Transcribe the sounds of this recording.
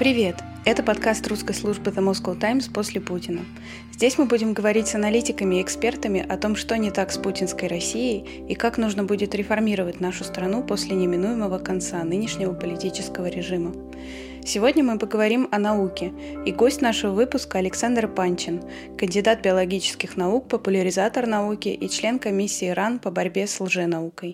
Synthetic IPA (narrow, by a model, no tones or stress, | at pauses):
pɾʲɪvʲe̞t̪ | ɛt̪əpɐt̪kast̪ɾruskəjslˠuʐbɨðəmoskolˠt̪ajmspo̞sʲlʲɪputʲɪnə | zʲdʲesʲmɨbudʲɪmɡəvɐɾʲitʲsənɐlʲitʲɪkəmʲɪɪkspʲe̞rt̪əmʲɪʔɐt̪o̞mʂt̪o̞nʲɪt̪aksputʲɪnskəjɾɐsʲːijɪj | ikaknuʐnəbudʲɪt̪ɾʲɪfɐrmʲiɾəvətʲnaʂʊst̪ɾɐnupo̞sʲlʲɪnʲɪmʲɪnujɪməvəkɐnt̪sanɨnʲɪʂnʲɪvəpəlʲɪtʲit͡ɕɪskəvəɾʲɪʐɨmə | sʲɪvodʲnʲəmɨpəɡəvɐɾʲimɐnɐukʲɪ | iɡosʲtʲnaʂəvəvɨpʊskəɐlʲɪksand̪rpanʲt͡ɕɪn | kənʲdʲɪd̪at̪̚bʲɪɐlˠɐɡʲit͡ɕɪ̥skʲɪxnɐuk̚pəpʊlʲəɾʲɪzat̪ərnɐukʲɪʔit͡ɕlʲe̞nkɐmʲisʲːiːɾanpəbɐɾʲbʲe̞slˠʐɨnɐukəj